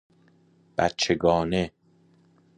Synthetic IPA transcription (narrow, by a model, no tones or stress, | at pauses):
b̥æt̪̚t͡ʃʰeɡɒːne